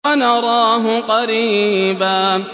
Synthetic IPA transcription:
anɑɾˤɑːɦʊqɑɾiːbaː

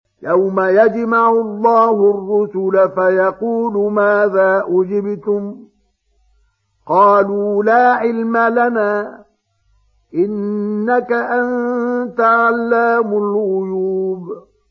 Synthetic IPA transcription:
jawmajad͡ʒmaʕʊlˤːɑːhʊrːʊsʊlafajɑquːlʊmaːðaːʔʊd͡ʒɪbt̪ʊm | qɑːluːlaːʕɪlmalanaː | ʔɪnːakaʔant̪aʕalːaːmʊlʔʊjuːb

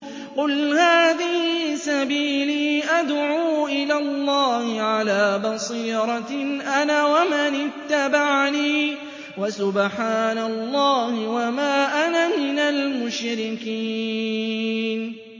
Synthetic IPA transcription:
qʊlhaːðɪhisabiːliːʔad̪ʕuːʔɪlaːlˤːɑːhɪʕalaːbɑsˤiːɾˤɑʔanaːwamanɪt̪ːabaʕniː | wasʊbħaːnalˤːɑːhɪwamaːʔanamɪnalmʊʃɾɪkiː | n

